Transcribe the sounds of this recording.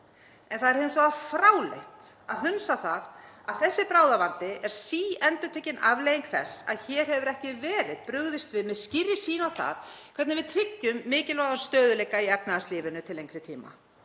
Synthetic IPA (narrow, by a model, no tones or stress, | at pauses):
ɛnθaðɛɾheɪns̬aafɾaːwlḛht̪aðɦʏnsaθaðaðθɛsːɪpɾaːwðavant̪ɪʔɛɾ̥siːɛnt̪ʏt̪ʰœcːɪnavlejiŋkʰθɛ̰sa̰ðçɛːɾ̥hɛvʏɾɛhcɪvɛːɾɪðpɾʏɣðɪst̪vɪðmɛðscɪrːɪ̥siːnawθa̰ðkʰvɛt̪nɪvɪðt̪ʰɾɪcːʏmːɪːcɪlvaːðanst̪œːðʏlejkːaiɛp̚naðast̪liːvʏnʏt̪ʰɪlejŋkɾɪt̪ʰiːma̰